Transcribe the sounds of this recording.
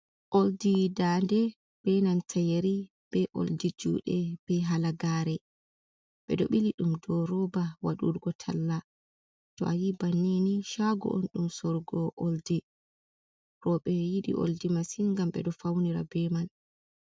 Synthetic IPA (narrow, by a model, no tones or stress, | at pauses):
ʔoldidandɛ | b̥ɛnantʰajeɾi | b̥ɛʔo̰ldid͡ʒṵːɗɛb̥ɛɦalaɡaːɾɛ | ɓɛɗɔɓiliɗumdɔɾɔbawaɗṵɾɡɔtʰa̰lːa | tɔʔajibanːeniʃaɡɔ̰ʔo̰nɗumsɔɾɡɔʔoldi | ɾɔɓɛjiɗḭʔo̰ldimasinŋɡamɓɛ̰ɗɔfawniɾa̰bɛman